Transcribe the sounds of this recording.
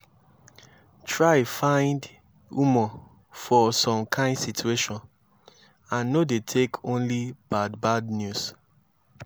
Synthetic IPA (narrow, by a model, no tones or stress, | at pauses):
tʰɹafãɪ̃nd | umɔ | fɔsɔ̃mkʰãɪ̃ndsitʰueʃɔ̃n | ãnːodetʰekʰõnlibad̚badnjus